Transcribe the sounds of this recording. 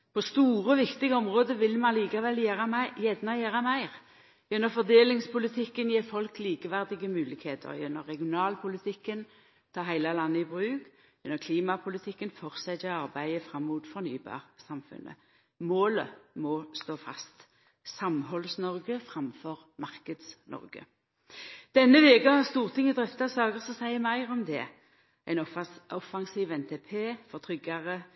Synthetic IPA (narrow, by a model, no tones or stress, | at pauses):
pʰɔst̪uːʁəʋɪkt̪ɪɡəɔmʁoːd̪əʋɪlmɑnliːkɑʋɛljæːʁɑjɛd̪nɑjæːʁɑmæɪʁ | jɛnːəfɔʁd̪eːlɪŋspʰʊlɪt̪ʰɪkːənjeːfɔlkliːkəʋæʁd̪ɪɡəmʉːlɪkheːt̪ʰə̰ʁjɛnːə̰ʁɛɡɪʊnɑːlpʰʊlɪt̪ʰɪkːən | t̪ʰɑːɦæɪlɑlɑnːəɪbʁʉːk | jɛnːəkʰliːmɑpʰʊlɪt̪ʰɪkːənfɔʁsɛɛɑʁbæɪəfʁɑmːuːt̪fɔʁny̰ːbɑ̰ːʁsɑmfʉ̰nʔə̰ | moːləmɔst̪oːfɑ̰st̪ | sɑmhɔlsnɔʁɡəfʁɑmfɔʁ | mɑʁkəd̪snɔ̰ʁɡə̰ | d̪̥ɛnːəʋeːɡəhɑʁst̪uːʁt̪ʰɪŋːəd̪ʁɛft̪ɑsɑːɡəʁsɔsæɪəmæɪʁɔmd̪ɛ | æɪnɔfɑŋsiːʋɛnt̪ʰeːpʰeːfɔʁt̪ʰʁʏɡɑʁə